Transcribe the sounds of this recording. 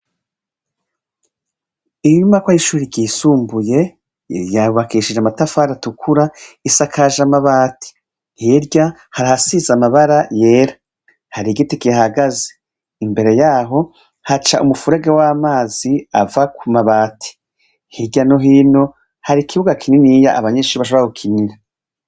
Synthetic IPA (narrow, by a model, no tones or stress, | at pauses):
iɲɲumakwajiʃuːɾiɟiːsuːmbuje̞ | jauβakiːʃid͡ʒeamatafaːɾatukʰuɾaisakʰaːʒamaβaːti̥ | heɾɟa | haɾihasizamaβaɾaje̞ːɾḁ | haɾiɡitikihaɡaze̥ | imbe̞ɾe̞jaːɦo̞ | hat͡ʃa̰ʔumufuɾe̞ɡewamaːziavakʰumaβaːtʰi̥ | hiɟanoɦiːno̞ | haɾikʰiβuɡakʰininijaʔaβaɲeːʃuːɾiβaʃoɾaukʰiniɾa